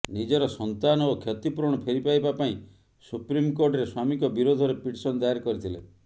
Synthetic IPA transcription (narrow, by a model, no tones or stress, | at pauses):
nid͡ʒɔɾɔsɔnt̪anɔokʰjɔt̪ipuɾɔɽ̃ɔpʰeɾipajbapaĩ | supɾimkoɾʈɾeswamikɔbiɾod̪ʱɔɾepiʈsɔnd̪ajaɾkɔɾit̪ʰilḛ